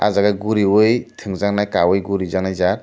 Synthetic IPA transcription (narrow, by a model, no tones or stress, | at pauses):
a̰zaɡaɡuɾiwɯjtʰɯŋzaŋnajkawɯjɡuɾizaŋnajzaɾ